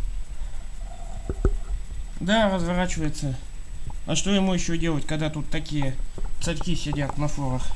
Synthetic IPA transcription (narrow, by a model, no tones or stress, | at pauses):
d̪arəzvɐɾat͡ɕɪvəjɪt̪sə | ɐʂt̪o̞jɪmujɪɕːodʲe̞lˠətʲkɐɡd̪at̪ut̪ːɐkʲijət̪sɐɾʲkʲisʲɪdʲat̪nɐflˠoɾəx